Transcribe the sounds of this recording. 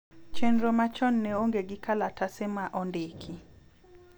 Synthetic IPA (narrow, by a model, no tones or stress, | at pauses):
t͡ʃenɾɔmat͡ʃɔnːɛoŋɡeɡɪkalatasemaʔɔndekʰi